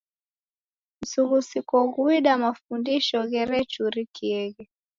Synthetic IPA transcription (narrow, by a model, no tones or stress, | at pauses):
m̩suɣusikɔɣuiɗamafundiʃɔɣɛɾɛt͡ʃuɾikiɛɣɛ